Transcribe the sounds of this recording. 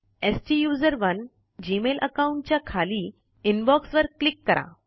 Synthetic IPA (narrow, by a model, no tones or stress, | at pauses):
esʈijuzəɾʋən | d͡ʑimelʔə̰kauɳʈ̚t͡ɕjakʰaliː | inbɔksʋəɾklikːəɾʔa̰